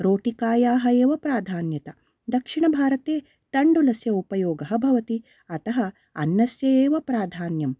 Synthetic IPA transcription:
ɾoːʈikaːjaːɦɐeːʋɐpɾaːd̪ʱaːnjɐt̪ɐ | d̪ɐkʂiɳɐbʱaːɾɐt̪eː | t̪ɐɳɖulɐsjɐupɐjoːɡɐɦɐbʱɐʋɐt̪i | ɐt̪ɐɦɐ | ɐ̰nːɐsjɐjeːʋɐpɾaːd̪ʱaːnjɐm

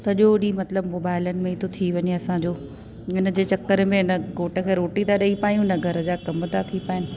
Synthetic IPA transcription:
sɐʄoɗimɐt̪ləbmoːbaːɪlənɪ̆mẽɪt̪ʰot̪ʰiʋɐɲeɐsãd͡ʑoː | ɪnə̆d͡ʑeːt͡ɕɐkːəɾmẽɪnə̆ɡoːʈə̆kʰeːɾoːʈit̪aɗɐipaːjũɪnɐɡʱɐɾə̆d͡ʑaːkɐmt̪at̪ʰipaːɪnɪ̆

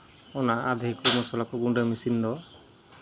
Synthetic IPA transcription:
ɔnaad̪ʱikɔmɔsɔlakɔɡuɖamisind̪ɔ

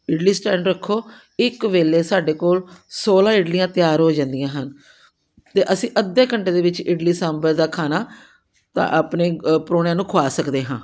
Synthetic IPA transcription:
ɪɖliːsʈɛ̃ːɳɖɾəkʰːoː | ɪkʋeːleːsaːɖeːkoːlsoːlãːɪɖlijãːt̪ɪjaːɾɦoːd͡ʒãːnd̪ijãːɦən | t̪eːʔəsĩːʔəd̪ːeːkəɳʈeːd̪eːʋɪt͡ʃɪɖliːsɛːmbəɾd̪aːkʰaːnaː | t̪ã̰ːʔapneːpɾoːnjãːnũːkʰaːsəkd̪eːɦãː

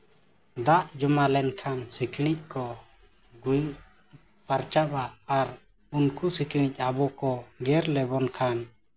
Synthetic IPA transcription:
d̪aʔd͡ʒɔmalɛnkʰansikʰiɽ̃ic̚ˀkɔ | ɡuɲ | paɾt͡ʃabaːɾ | unkusikiɽ̃ic̚ˀabɔkɔɡɛɾlɛbɔnkʰan

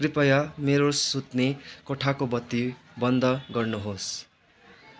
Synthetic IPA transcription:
kripʌjʌmeɾosut̪nekoʈʰakobʌt̪ːi | bʌnd̪ʱʌɡʌrnuɦos

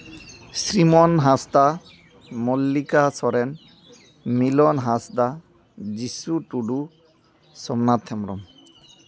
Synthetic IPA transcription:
sɾimɔnɦasd̪a | mɔlːikasɔɾɛn | milɔnɦasd̪a | d͡ʑisuʈuɖu | sɔmnat̪ʰɛmɾɔ̰m

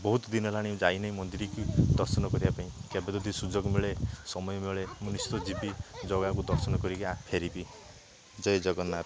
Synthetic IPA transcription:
bɔɦut̪ɔd̪inɔlaɽ̃id͡ʒajnɔimɔnd̪iɾikud̪ɔɾsɔnɔkɔɾibapaĩkabed̪ud̪ʱisud͡ʒɔɡmeɭesɔmɔjɔmeɭemunist̪ɔd͡ʒibid͡ʒɔɡak̬ud̪ɔɾsɔnɔkɔɾikiapʰeɾipi | d͡ʒɔjd͡ʒɔɡɔnːaɾ

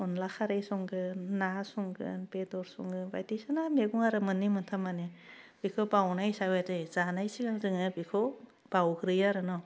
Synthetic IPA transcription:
ɔnlakʰaɾejsɔŋɡɯnasuŋɡɯ̰npedɔɾsṵŋɡɯba̰jtisanameɡuŋaɾɯmɯnːimɯntʰamaneb̥ikʰɔbawnajsawedejz̥anajsiɡaŋzɯŋɯbikʰɯ | b̥awkɯɾɯjaɾɯnɔ

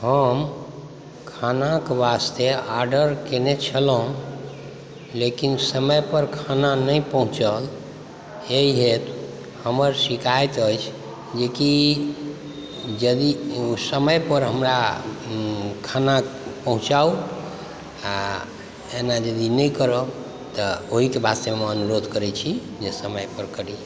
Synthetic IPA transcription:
həm | kʰanakbast̪eaɾɖəɾkenet͡ʃʰələun | lekinsəməjpəɾkʰananəjpəɦũt͡ʃəl | eiɦet̪ | həməɾsikajt̪əjt͡ʃʰ | d͡ʒeki | d͡ʒəd̪iusəməjpəɾɦəmɾa | kʰanapəɦũt͡ʃau | a | enad͡ʒəd̪inəjkəɾə | t̪əoɦikebʱast̪əmeənuɾod̪ʱkəɾɛt͡ʃʰi | d͡ʒesəməjpəɾkəɾi

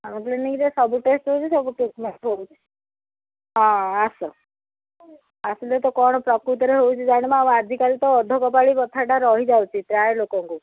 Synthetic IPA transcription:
amɔ̃t̪lenikit̪esɔbuʈesʈɦowt͡ʃʰisɔbuʈiʈmeʈɦowt͡ʃʰi̥ | ɦɔ̃asɔ | asilet̪ɔkɔɽ̃ɔpɾɔkɾut̪ɔɾeɦowt͡ʃʰid͡ʒaɽ̃emãamad͡ʒʱikalit̪ɔːd̪ʱɔkɔpaɭipɔt̪ʰaʈaɾɔɦid͡ʒawt͡ʃʰit̪ɾajlokɔŋku

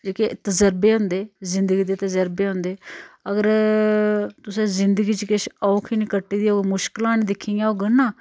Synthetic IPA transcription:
d͡ʒeːket̪əzəɾbeːɦʊ̃ːnd̪eːzɪ̃nd̪əɡiːd̪eːt̪əzəɾbeːɦõːnd̪eːəɡəɾ | t̪ʊsẽːzɪnd̪əɡiːt͡ʃkɪʃɔːkʰiːniːkəʈːiːd̪iːoːɡmʊʃkəlaːnĩːd̪ɪkʰːijãːoːɡənãː

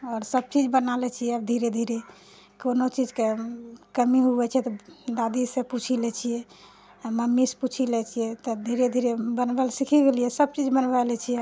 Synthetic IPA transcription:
ɔɾsəb̚t͡ʃid͡ʒbənalɛt͡ʃʰijɛəbd̪ʱiɾed̪ʱiɾe | konot͡ʃid͡ʒkekəmiɦuɛt͡ʃʰɛt̪ɔd̪ad̪isẽput͡ʃʰilɛt͡ʃʰijɛ | məmːisput͡ʃʰilɛt͡ʃʰijɛt̪ɔd̪ʱiɾed̪ʱiɾebənbəlsikʰiɡelijɛsəb̚t͡ʃid͡ʒbənbalɛt͡ʃʰijɛ

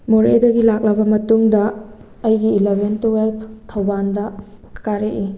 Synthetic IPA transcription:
moɾedɐɡilak̚lɐbɐmɐtuŋdɐː | jɡiːlebʱentuwelpʰtʰɐwbandɐkaɾeʔi

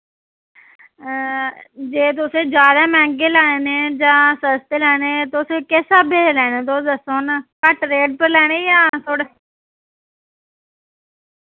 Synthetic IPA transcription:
d͡ʒeːt̪̬ʊsẽːd͡ʒjaːd̪aːmɛ̃ːŋɡeːlɛːneːd͡ʒãːsəst̪eːlɛːneːt̪ʊseːkeːsaːbʱeːlɛːneːt̪od̪əsoːnkəʈɾeːɖ̚pəɾlɛːɽ̃eːjãːt̪ʰoːɽeː

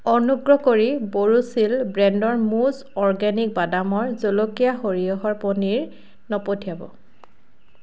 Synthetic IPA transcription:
ɔnuɡɹɔkoɹiboɹusilbɹɛndɔɹmuz | ɔɹɡɛnik̚badamɔɹzolokijaxoɹijɔɦɔɹponiɹ | nɔpotʰijabɔ̰

